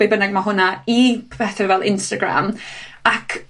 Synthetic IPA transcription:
ejbənaɡ̚maɦʊnaipʰɛθɛvɛlˠʔɪnstaɡɾa̰makʰ

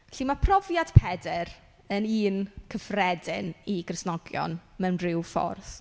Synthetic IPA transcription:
ɬiːmapʰrɔvjad̥pʰɛdɛɾ | əniːnkʰəfrɛdɪniɡrɪsnɔɡjɔ̰nmɛwnrɪwfɔ̰rθ

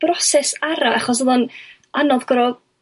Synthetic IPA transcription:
b̥rɔsɛsaɾaaχɔs̬əlˠɔn | anɔðɡ̥ɔɾɔ

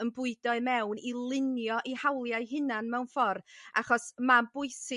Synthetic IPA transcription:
ənbʊɨdɔɨmɛwnilˠɪnjɔʔihawlˠjaɨɦɪnanmɛwnfɔra̰χɔsmabʊɨsɪ

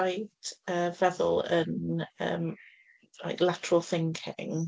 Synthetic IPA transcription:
ajd̥əːvɛðʊ̰lˠənə̰ːm | la̰ɪklatʰəɹəlˠθɪŋkʰɪ̰ŋ

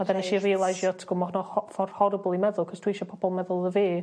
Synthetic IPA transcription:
adɛnɛʃiriːlˠajʃjɔtʰɡ̥ʊmɔɦɔnɔhɔfɔrhɔɾəblˠimɛðʊlˠkʰɔstʰwɪʃɔpʰɔb̥ɔlˠmɛðʊlˠəveː

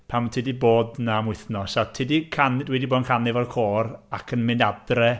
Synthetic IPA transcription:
pʰamtʰɪdiboːdnamwɪθnɔsatʰɪdikʰandwɛdiboːdnkʰanɪvɛlkʰoːrakʰənmɪndad̥rɛ

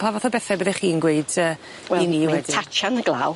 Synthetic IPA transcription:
pʰavɔθɔbɛθɛbəðɛχiːnɡweɨd̥əː | wɛiniːwɛditʰat͡ʃanəɡlˠa̰w

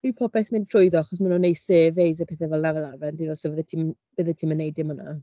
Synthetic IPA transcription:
iwpʰɔpɛθmɪntʰrʊjðɔaχɔs̬manonejseːvejzəpʰɛːθɛvɛlˠnavɛlˠavɛndinɔsovəðɛtʰim | vəðətʰimənːejdɪmɔna̰

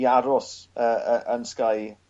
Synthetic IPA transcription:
aɾʊsəːəʔənskaj

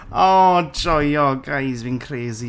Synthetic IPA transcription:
ɔːd͡ʒɔjɔɡajzvinkʰreːzi

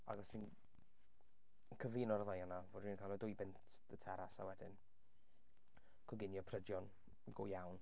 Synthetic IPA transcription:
a̰ɡɔsʰiːn | kʰəviːnɔɾəðəjanavoːdwiːnkʰalˠɔdʊɨbɪntʰd̥ətʰɛɾasa̰wɛdɪn | kʰɔɡɪnjɔpʰrədjɔn | ɡʊ̰jawn

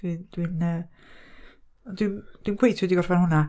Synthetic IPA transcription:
wid̥winə | dwind̥winkʰw̥ejtʰidiɡɔrvanɦʊna

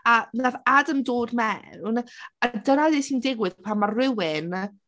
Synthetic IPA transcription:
anaðadəmdoːdmɛunaadənadesindɪɡwɨðpʰamarrɪwɪn

